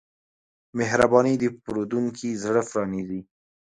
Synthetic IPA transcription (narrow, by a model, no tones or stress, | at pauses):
meɦɾabɑnid̪əpɾod̪uŋkʰizɽəfɾɑnizi